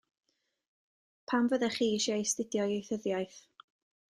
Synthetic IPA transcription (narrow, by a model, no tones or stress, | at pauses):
pʰamvəðɛχiːiʃajstɪdjɔjejθəðjajθ